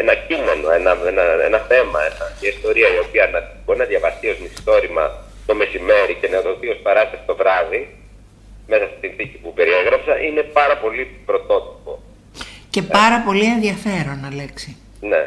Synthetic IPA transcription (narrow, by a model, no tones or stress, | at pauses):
enɐcime̞no̞enɐenɐḛnɐθe̞mɐenɐiist̪o̞ɾiɐio̞piɐnɐbo̞ɾinɐðʝɐvɐst̪io̞zmisi̥t̪o̞ɾimɐ̰ | t̪o̞me̞sime̞ɾice̞neoðo̞t̪io̞spɐɾɐst̪eft̪o̞vɾɐði | me̞sɐst̪i̥sinθicipupe̞ɾieɣɾɐpsɐʔine̞pɐɾɐpo̞lipɾo̞t̪o̞t̪i̥po̞ | ce̞pɐɾɐpo̞lie̞nðiɐfe̞ɾo̞nɐleksi | ne̞̰